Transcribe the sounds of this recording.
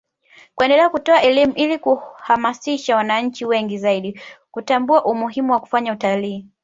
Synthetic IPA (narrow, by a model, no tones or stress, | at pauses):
kwɛndɛlɛakutɔaʔɛlimuʔilikuhamasiʃawanaɲ̩t͡ʃiwɛŋɡizaiɗikutambuaʔumuɦimuwaku̥faɲautaliː